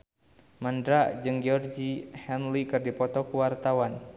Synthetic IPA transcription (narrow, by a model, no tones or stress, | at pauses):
mandɾad͡ʒɨŋd͡ʒɔrd͡ʒihɛnlikɨrdipɔt̪ɔkuwart̪awan